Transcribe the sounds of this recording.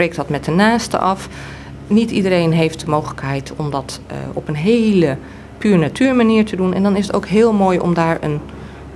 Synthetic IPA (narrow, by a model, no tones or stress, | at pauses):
prejk̚dɑtmɛt̚dənaːstə̰ʔɑf | nitidəɾejnɦejft̚dəmowχələkɦɛjtʰɔmdɑtɔpənɦejlə | pyːɹənatʰyːɹmaniːɹtədunɛ̰ndɑnɪsəto̰wkɦɪːlˠmojɔ̰mdaːɹə̰n